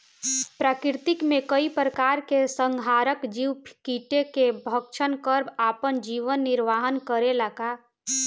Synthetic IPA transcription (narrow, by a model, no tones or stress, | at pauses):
pɾakɪɾt̪ikmekəipɾəkaɾkesəŋɡʱaɾəkd͡ʒiwpʰkiʈekebʱəkʃʰənkəɾbapənd͡ʒiʋənːiɾʋaɦənkəɾelaka